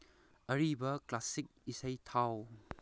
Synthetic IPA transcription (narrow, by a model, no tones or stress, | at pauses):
ɐɾibɐklasik̚isɐjtʰaw